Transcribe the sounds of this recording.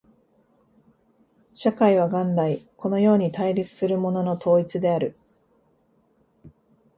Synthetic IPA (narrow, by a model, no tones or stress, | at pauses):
ɕakaiβ̞aɡãnd̪aiko̞no̞jo̞ːɲ̟it̪aiɾʲit͡sɨ̥sɨɾɯ̟mo̞no̞no̞t̪ʰo̞ːit͡sɨd̪e̞aɾɯ̟